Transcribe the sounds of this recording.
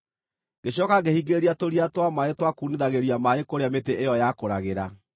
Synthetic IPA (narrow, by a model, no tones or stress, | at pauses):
ɡeɕɔkaɡehiɡeɾatoɾiatwamaetwakuniðaɣeɾiamaekoɾeameteʔejɔjakoɾaɣeɾa